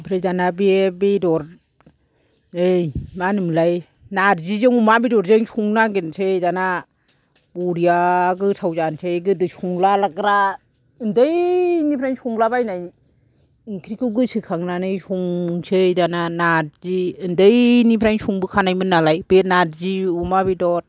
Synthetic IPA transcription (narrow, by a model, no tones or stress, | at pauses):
pʰɾajdanabiebidɔɾ | ɯjmanɯmlaj | naɾzizɯŋumabidɔɾzɯŋsuŋnaɡensʰɯjdana | buɾijaɡɯsʰawzansʰeɡɯdɯsuŋlalaɡɾa | ɯndɯjnipʰɾajŋsuŋlabajnaj | iŋkʰɾikʰɯɡɯsɯkʰaŋnanɯjsuŋsʰɯjdananaɾziɯndɯjnipʰɾajŋsuŋbɯkʰanajmɯnːalajbenaɾziumabidɔɾ